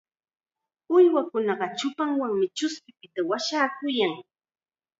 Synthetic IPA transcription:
ʊjwakʊnɑɢɑt͡ʃʊpaŋwaŋmɪt͡ʃʊspɪpɪt̪awaʃaːkʊjaŋ

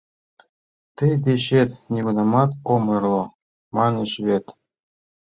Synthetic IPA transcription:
t̪ɘjd̪eɕet̪nʲeɡunɑmɑt̪omɤ̆rlˠo | mɑnɤ̆ɕβet̪

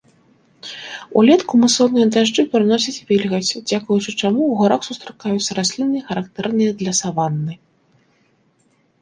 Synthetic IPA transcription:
ṵlʲɛt̪kumɨsɔnɨjɐd̪aʐd͡ʐɨpɾɨnɔsʲɐt͡sʲvʲilʲɣɐt͡sʲd͡zʲakujut͡ʂɨt͡ʂamuuɣaɾaxsust̪ɾakajut̪sːɐɾasʲlʲinːɨjxɐɾakt̪ɛrnɨjɐd̪lʲɐsavanːɨ

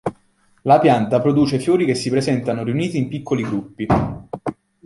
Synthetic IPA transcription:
lapjant̪apɾod̪uːt͡ʃefjoːɾik̟esːipɾezɛnt̪anoriuniːt̪iːmpikːoliɡɾupːi

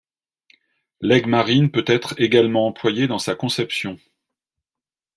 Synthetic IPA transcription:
lɛɡmaʁinpøt̪ɛt̪χeɡalmɑ̃ɑ̃plwajed̪ɑ̃sakɔ̃sɛpsjɔ̃

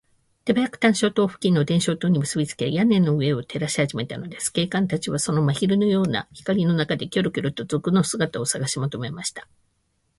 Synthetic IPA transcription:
t̪e̞bajakɯ̟̥t̪ãɰ̃ɕo̞ːt̪o̞ːɸɯ̟̥kʲĩnːo̞d̪ẽ̞ɰ̃ɕo̞ːt̪oːɲ̟imɯ̟sɨbʲit͡sɨ̥kejanẽ̞nːoɯ̟e̞o̞t̪ʰe̞ɾaɕi̥haʑime̞t̪ano̞d̪e̞sɨ̥ke̞ːkãnt̪at͡ɕiβ̞aso̞no̞maçiɾɯ̟no̞jo̞ːna̰çi̥kaɾʲino̞nakad̪e̞kʲo̞ɾokʲoɾot̪o̞zokɯ̟no̞sɨɡat̪ao̞saɡaɕimot̪o̞me̞maɕi̥t̪ḁ

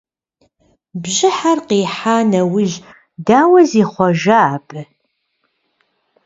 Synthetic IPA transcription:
bʑɪħarqiːħaːnɐwʊɮ | daːwɐziːχʷɔʒɐaːpʼɨ

